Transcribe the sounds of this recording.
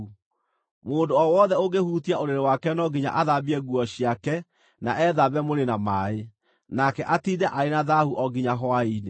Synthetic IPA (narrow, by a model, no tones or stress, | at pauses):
moːndoɔwɔðɛoɣehutiaoɾeɾewakɛnɔɡiɲa̰ʔaðaβiɛɣuɔɕiakɛ | naʔɛðaβɛmoɾenamaːe | nakɛʔatiːdɛʔaenaðahuʔɔɡiɲaɦɔaine